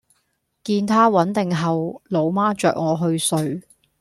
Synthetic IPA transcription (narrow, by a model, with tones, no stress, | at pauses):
kiː˧nt̪ʰaː˥wɐ˨˥nt̪ɪ˨ŋɦɐ˨wlo˨˧wmaː˥t͡ʃœ̰ː˨k̚ŋɔː˨˧ɦɵ˧ɥsɵ˨˧ɥ